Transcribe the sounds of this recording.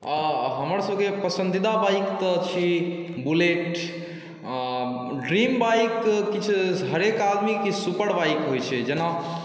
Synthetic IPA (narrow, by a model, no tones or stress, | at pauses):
aɦəməɾsəbkepəsənd̪id̪abajkt̪ət͡ʃʰibuleʈ | ɖɾimbajkːit͡ʃʰɦəɾekad̪mikisupəɽbajkɦojt͡ʃʰɛd͡ʒena